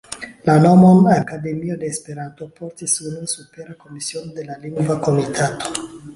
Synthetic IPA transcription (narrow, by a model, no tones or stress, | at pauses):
lanomonakad̪e̞miod̪eːspeɾant̪opoɾtisunusupeɾakomisionod̪e̞laliŋɡvakomitʰatʰo̥